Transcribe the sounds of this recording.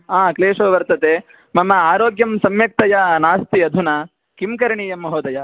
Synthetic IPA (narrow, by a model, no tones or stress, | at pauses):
aːkleːʂoːʋɐɾt̪ɐt̪e | mɐmɐaːɾoːɡjɐmsɐmjɐk̚t̪ɐjɐnaːst̪iɐd̪ʱuna | kimkɐɾɐɳijɐmːɐɦoːd̪ɐjɐ